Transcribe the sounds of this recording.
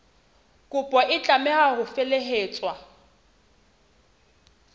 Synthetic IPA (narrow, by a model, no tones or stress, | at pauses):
kʼʊpʼɔʔɪt͡ɬʼamɛhahʊfeleɦeːt͡sʼwa